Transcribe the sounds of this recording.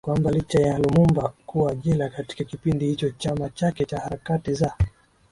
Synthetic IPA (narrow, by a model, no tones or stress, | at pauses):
kwambalit͡ʃajalumumbakuaʄilakati̥kakipindihit͡ʃɔt͡ʃamat͡ʃakɛt͡ʃahaɾakatiza